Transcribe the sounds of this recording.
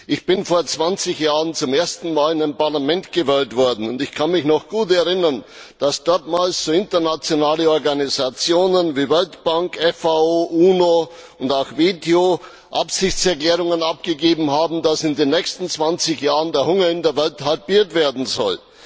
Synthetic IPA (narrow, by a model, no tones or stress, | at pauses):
ʔɪçb̥ɪnfoːɐt͡sv̥ant͡sɪçjaːʁənt͡sʊmeːɐstn̩maːlɪnaɪmpaɐlamɛntɡ̥əvɛltv̥ɔɐdn̩ʊntɪçkʰanmɪçnɔχɡ̥uːtɛɐʁɪnɐn | d̥asd̥ɔɐtmaːlsz̥oːɪntɐnat͡sjonaːləɔɐɡanizat͡sjoːnənviːvɛltb̥aŋkɛfaoːʔuːno | ʊndaʊxveːteo | ʔapsɪçt͡sɛɐklɛːʁʊŋənapɡ̥əɡeːbm̩haːbm̩dasɪndeːnːɛçstn̩t͡sv̥ant͡sɪçjaːʁəndeːɐhʊŋɐɪndeːɐvɛlthalpiːɐtv̥eːɐdn̩zɔl